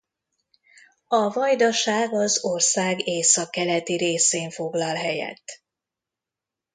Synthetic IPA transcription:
ɒvɒjd̪ɒʃaːɡɒzorsaːɡeːsɒkːɛlɛt̪iɾeːseːɱfo̞ɡlɒlɦɛjɛ̰t̪ː

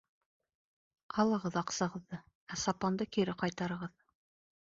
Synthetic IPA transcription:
qɑlˠɤ̆ʁɤðɑqsɑ̆ʁɤ̆ðːɤ | æsɑpɑnd̪ɤkiɾɘqɑjt̪ɑɾɤ̆ʁɤð

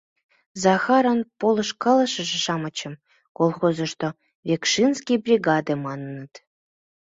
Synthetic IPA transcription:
zɑxɑɾə̆npolɤ̆ʃkɑlɤ̆ʃɤ̆ʒĕʃɑmɤ̆t͡ɕə̆m | kolˠxozə̆ʃt̪o | vʲekʃinskʲijbrʲiɡɑd̪emɑnə̆nə̆t̪

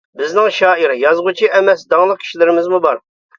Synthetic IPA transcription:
bɪznɪŋʃɑːiɾjɑzʁut͡ʃʰiʔɛmɛsd̪ɑŋlˠəq̚kʲʰi̥ʃilɪɾɪmɪzmubɑɾ

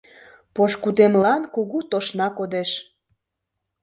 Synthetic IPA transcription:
poʃkud̪emlɑnkuɣut̪oʃnɑkod̪eʃ

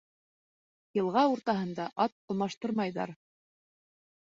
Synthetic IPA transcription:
jɤ̆lˠʁɑuɾt̪ɑɦɤ̆nd̪ɑʔɑt̪̚ŏlˠmɑʃt̪ɤɾmɑjðɑ̰ɾ

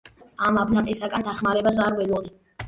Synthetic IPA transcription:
amabnaqʼisaɡand̪aχmaɾɛbazaɾwɛlɔli

